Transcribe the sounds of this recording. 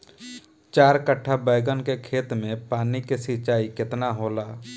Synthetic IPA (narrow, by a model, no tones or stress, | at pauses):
t͡ʃaːɾkəʈʰːabəːɪɡənkekʰeːt̪mẽpaːnikesɪt͡ʃaːikɪt̪naɦoːlaː